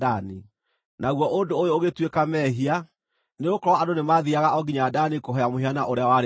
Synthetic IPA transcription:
ani | naɣwɔʔondoːjooɣetwekamɛɦia | neɣokɔɾɔandonemaðiaɣaɔɡiɲaːdanikoɦɔjamoɦeanaʔoɾeawaɾ

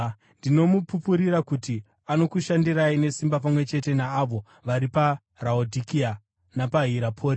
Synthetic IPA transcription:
ndino̞mupupuɾiɾakuti | ano̞kuʃandiraine̞simbap̬amwe̞t͡ʃe̞te̞naːʋo̞ | ʋaɾipa | raodʱikia | napaɦiɾapʰo̞ːɾi

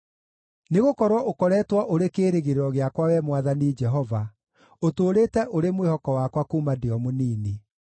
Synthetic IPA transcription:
neɣokɔɾwɔʔokɔɾɛːtwaʔoɾekeːɾeɣeɾɔɣeakwawɛmwaðanid͡ʒɛɦɔva | otoːɾeːtɛʔoɾemwehɔkɔwakwakuːmadeɔmoniːni

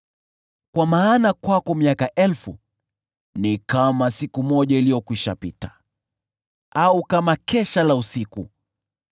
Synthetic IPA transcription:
kwamaːnakwakɔmiakaʔɛlfu | nikamasikumɔʄailijɔkuiʃa̰pitḁ | aukamakɛʃalausikṵ

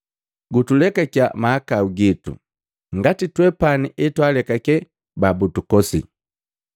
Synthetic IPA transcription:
ɡutulɛkaka̰maːkauɡitṵ | ŋɡatitwɛpaniʔɛtwalɛkakɛ | babutukɔsḭ

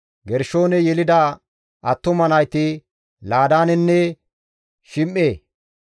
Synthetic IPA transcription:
ɡɛɾʃo̞ːnɛjɛlɪd̪ɐ | ʔɐt̪ːʊmɐnɐjt̪ɪ | laːd̪aːnɛnːɛ | ʃɪmʔːeː

